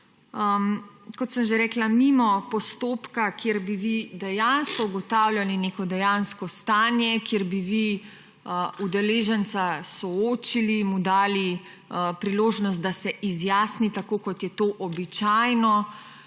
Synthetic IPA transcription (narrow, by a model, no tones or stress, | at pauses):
kɔt̪səmʒeɾɛːklamimɔpɔst̪oːpkakjeɾbiʋid̪ɛjanskɔuɡɔt̪aːwlʲjalinekɔd̪ɛjanskɔst̪aːnjɛkjeɾbiʋi | ud̪ɛleːʒɛnt̪sasɔoːt͡ʃilimud̪aːli | pɾiloːʒnɔst̪̚d̪asɛʔizjaːsnit̪akoːkɔt̪jɛt̪oːʔɔbit͡ʃajnɔ